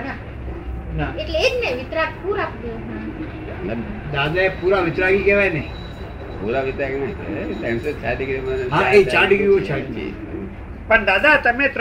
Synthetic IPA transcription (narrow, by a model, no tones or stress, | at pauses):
na | naeʈleekneʋɪt̪ɾakpuɾapɡ̪i | a | d̪ad̪aepuɾaʋɪt̪ɾaɡikeʋajnej | puɾaʋɪt̪ɾaɡinḛt̪ãset͡ʃʰaɖiɡɾimanɦãet͡ʃaɾɖiɡɾijõt͡ʃʰed͡ʒḭ | pəɳd̪ad̪at̪əmet̪